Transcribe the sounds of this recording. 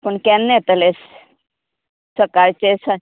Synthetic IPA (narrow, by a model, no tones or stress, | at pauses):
poɳkɛnːet̪əles | səkaɾt͡ɕesə